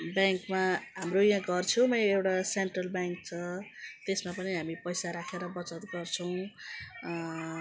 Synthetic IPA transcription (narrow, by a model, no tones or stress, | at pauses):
bjaŋkmaɦamrojãɡʌrt͡sʰʌw̃mʌewʈaseɳʈrʌlbjaŋk̚t͡sʰʌt̪esmapʌniɦamipʌjsaɾakʰeɾʌbʌt͡sʌt̪̚ɡʌrt͡sʰʌw̃